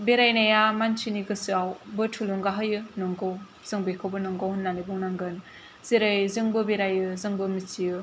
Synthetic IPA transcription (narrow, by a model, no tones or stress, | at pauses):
beɾajnajamant͡ʃʰiniɡɯsɯawbɯtʰuluŋɡaɦɯjɯnɔŋɡow | z̥ɯŋbejkʰɯwbɯnɔŋɡowhɯnːanibuŋnaŋɡɯn | z̥eɾɯjzɯŋbɯbeɾajɯzɯŋbɯmit͡ʃijɯ